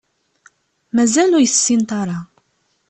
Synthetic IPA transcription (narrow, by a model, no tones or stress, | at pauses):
mæzælʊɾjsːint̪ˤɑɾˤɑ